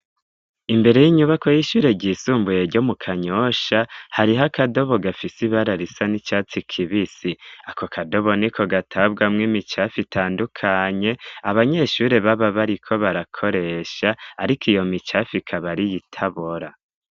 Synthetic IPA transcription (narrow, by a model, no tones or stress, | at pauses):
imbe̞ɾejiɲuβakʰo̞jiʃuːɾe̞ɟiːsuːmbuje̞ɾɟomukʰaɲo̞ʃahaɾiɦakado̞βo̞ɡafisiβaɾaɾisanit͡ʃaːt͡sikʰiβisiako̞kʰado̞βo̞nikʰo̞ɡatʰaβɡamŋimit͡ʃafitʰaːndukʰaɲe̞aβaɲe̞ʃuːɾe̞βaβaβaɾikʰo̞βaɾakʰo̞ɾe̞ʃaːɾikʰijo̞mit͡ʃafikʰaβaɾijitʰaβoɾa